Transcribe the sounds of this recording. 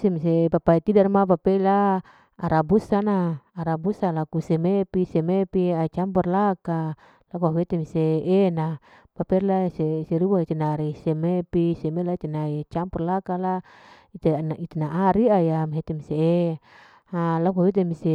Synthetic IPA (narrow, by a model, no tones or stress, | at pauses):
semisepapait̪idarmap̬apeilaː | ɾabusanaːɾabusalakusemepisemepiait͡ʃampɔrlaka | lakuawet̪emiseena | papɛrlaseseɾuait̪enaɾisemepisemelait̪enait͡ʃampɔrlakala | it̪enit̪enaʔaɾiajamiɦet̪emisee | alakuawet̪̬emise